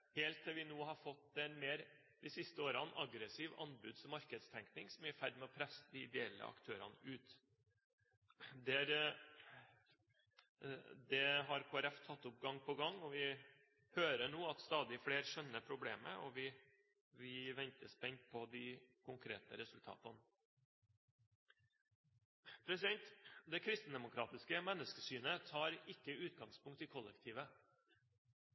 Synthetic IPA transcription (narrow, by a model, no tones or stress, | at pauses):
heːlt̪ːɛʋɪnuːhɑfɔt̪ːɛnmeːɾ | d̪̥ɪsɪst̪əoːɾɑnʔɑɡɾəsiːʋɑ̰nbʉd̪sɔmɑɾkəd̪st̪ʰɛŋknɪŋsɔmæɾfæɾɖmɛɔpʰɾɛsːəd̪ɪɪd̪ɛɛlːə̰ʔɑ̰kt̪ʰøːɾɑ̰nəʉːt̪ | d̪ɛɾ | d̪ɛɦɑɾkʰoːæɾɛft̪ʰɑt̪ːʊp̚ɡɑŋːpʰɔɡɑŋːɔʋɪ | høːɾəɳoːɑt̪st̪ɑːd̪ɪfɽeːɾʂœnːəpʰɾʊblḛːmə̰ɔ̰ʋɪ | ʋɪʋɛnt̪əspɛnt̪̚pʰɔd̪ɪkʰʊŋkʰɾḛːt̪əɾɛsʉlt̪ʰɑ̰ːt̪ən | pʰɾɛsɪd̪ɛnt̪d̪ɛkʰɾɪst̪n̩d̪ɛmʊkʰɾɑːt̪ɪskəmɛnːəskəsyːnət̪ʰɑːɾɪkːəʉːt̪ɡɑŋspʊŋk̚t̪ɪkʰɔlːɛkt̪ʰiːʋə